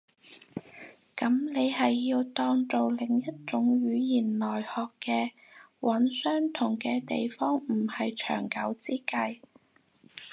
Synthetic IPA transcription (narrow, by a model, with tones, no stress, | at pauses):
kɐ˨˥mne˨˧jhɐ˨jːiː˧wt̪ɔː˧ŋt͡so˨wlɪ˨˩ŋjɐ˥t̚t͡sʊ˨˥ŋɥyː˨˧jiː˨˩nlɔː˨˩jhɔː˨kːɛː˧ | wʔɐ˨˥nsœː˥ŋt̪ʰʊ˨˩ŋkɛː˧t̪ḛ˨jfɔː˥ŋm̩˨˩hɐ˨jt͡ʃʰœ̰ː˨˩ŋkɐ˨˥wt͡siː˥kɐ˧j